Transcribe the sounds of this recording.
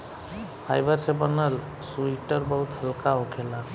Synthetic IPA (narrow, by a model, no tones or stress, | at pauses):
pʰajbəɾsẽbənəl | suiʈəɾbəɦut̪həlkaokʰela